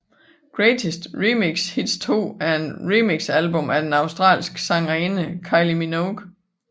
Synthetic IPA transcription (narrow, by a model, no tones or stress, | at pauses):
ɡ̥ʁet͡sʰisd̥ʁimiɡ̥shid̥st͡sʰo̝̰ːæɐenʁimiɡ̥sælb̥ɔ̽mʔæd̥enɑ̈ʊsd̥ʁɑ̰̈ːlsɡ̥sɑ̈ŋʁiːnəkʰɑ̈ɪliminoɡ̥